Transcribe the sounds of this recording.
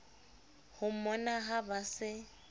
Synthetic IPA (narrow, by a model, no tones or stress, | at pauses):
hʊmɔnaɦabasɪ